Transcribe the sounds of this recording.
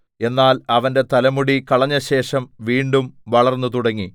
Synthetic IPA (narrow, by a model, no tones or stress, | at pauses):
e̞nːaːlɐʋɐnde̞t̪ɐlɐmuɽikɐɭɐɲːɐɕe̞ːʂɐmʋiːɳɖumʋɐɭɐrnːɨt̪uɽɐŋːi